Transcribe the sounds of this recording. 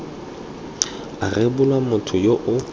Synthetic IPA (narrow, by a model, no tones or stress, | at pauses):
arebʊlwamʊtʰʊjoʔʊ